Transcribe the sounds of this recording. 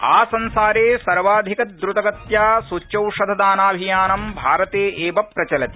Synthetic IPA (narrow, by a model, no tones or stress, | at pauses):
aːsɐnsaːɾeːsɐɾʋaːd̪ʱikɐt̪̚d̪ɾut̪ɐɡɐt̪jaːsut͡ʃɐwʂɐd̪ʱɐd̪aːnaːbʱijaːnɐmbʱaːɾɐt̪eːʔeːbɐpːɾɐt͡ʃɐlɐt̪i̥